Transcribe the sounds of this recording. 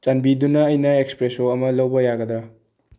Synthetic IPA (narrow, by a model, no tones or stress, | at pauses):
t͡ʃanbidunɐːjnɐekspɾesoɐmɐlɐwbɐjaɡɐd̪ɾɐ